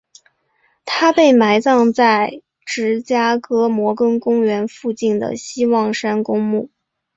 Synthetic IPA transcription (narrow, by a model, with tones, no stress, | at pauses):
t̪ʰa˥pe˥˩ɪma˧˥ɪt͡sɑ˥˧ŋt͡sa˥˩ɪ | ʈ͡ʂɻ̩˧˥t͡ɕja˥kɤ˥mwɔ˧˥kɤ˥ŋkʊ˥ŋɥɛ˧˥nfu˥˧t͡ɕi˥˩nd̪ə̰˩ɕi˥wɑ˥˩ŋʂa˥nkʊ˥ŋmu˥˩